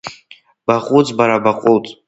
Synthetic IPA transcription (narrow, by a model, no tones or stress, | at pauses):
b̥aχʷʼut͡sʼbaɾabaqʼultʼ